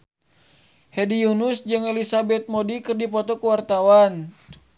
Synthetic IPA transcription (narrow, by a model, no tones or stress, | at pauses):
hɛdijunusd͡ʒɨŋɛlisabɛt̪̚mɔdikɨrdipɔt̪ɔkuwart̪awan